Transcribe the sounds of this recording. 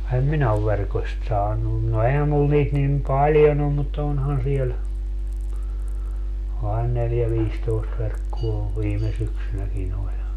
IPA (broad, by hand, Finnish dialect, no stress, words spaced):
em minæ oʋ ʋerkosʲt sɑːnun no ehæ mul niːt nim pɑljon om mut onhɑn siel ɑin neljæ ʋiːstoist ʋerkːuo ʋiːme syksynækin olʲ